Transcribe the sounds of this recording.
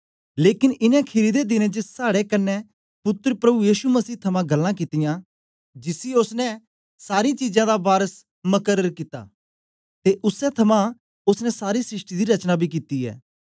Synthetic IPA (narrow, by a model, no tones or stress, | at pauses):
leːkɪnɪnɛ̃kʰɪɾid̪ed̪ɪnẽd͡ʒəsaːɽekɐnːɛ | pʊt̪ːɾpɾɐbujiːʃumɐsiːt̪ʰɐmãɡɐlːãkɪt̪ɪjã | d͡ʒɪsiʊsnɛ̃ | saːɾɪit͡ʃiːd͡ʒãd̪abaːɾəs | mɐkəɾːəɾkɪt̪a̰ː | t̪eʔʊsɛt̪ʰɐmã | ʊsnɛsaːɾisɾɪʃʈid̪iɾɐt͡ʃnabʱik̬ɪt̪iɛ̰ː